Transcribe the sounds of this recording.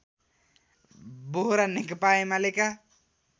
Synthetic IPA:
boɦɾanikpaimaleka

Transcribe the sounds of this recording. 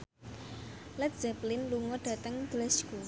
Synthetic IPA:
lɛt̪̚z̥ɛplɪnluŋɔɖ̥ä̤t̪əŋdlɛsku

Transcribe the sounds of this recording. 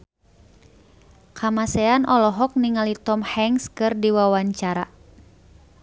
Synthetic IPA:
kʰamasɛanʔɔlɔɦɔk̚niŋalit̪ɔmhɛŋskɨrdiwawaɲt͡ʃaɾa̰

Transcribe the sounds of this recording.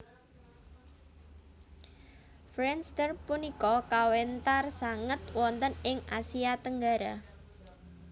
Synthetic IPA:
fɾɛnst̪ərpunikɔkawent̪arsaŋət̪wɔnt̪ənɪŋasiat̪əŋɡaɾa

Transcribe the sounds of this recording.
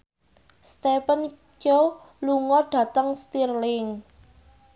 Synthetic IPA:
st̪ɛpən | d͡ʒo | luŋɔɖ̥ä̤t̪əŋst̪irlɪŋ

